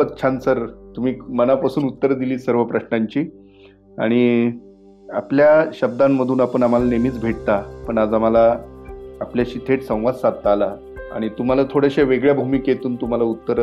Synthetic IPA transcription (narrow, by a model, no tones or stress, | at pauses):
ət̪ːt͡ɕʰansəɾt̪um̤iːmənapasuːnut̪ːəɾd̪iliːsəɾʋəpɾəɕnaɲt͡ɕiː | a̰ɽ̃i | a̰pljaɕəb̚d̪amːəd̪ʱuːnapəɳam̤alanemiːt͡sbʱeʈ̚t̪apəɳad͡zam̤alaː | pljaɕit̪ʰeʈsə̃w̃ʋad̪sad̪̚t̪aːla | a̰ɽ̃it̪um̤alat̪ʰoɽeɕaʋeɡɭjabʱumiːkjet̪uːnt̪um̤alaut̪ːəɾ